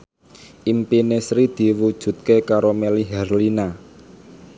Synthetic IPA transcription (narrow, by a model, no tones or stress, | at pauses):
ʔimpinesɾid̪̥i̤wud̥ʒ̥ṳt̪̚kekaɾomeliɦɛrlina